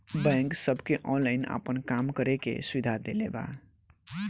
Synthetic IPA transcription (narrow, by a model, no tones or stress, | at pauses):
bɛ̃ŋksʌbʱkeʔɔ̃nlaɪna̰pənkamkʌɾekḛsubid̪ʱad̪eleba̰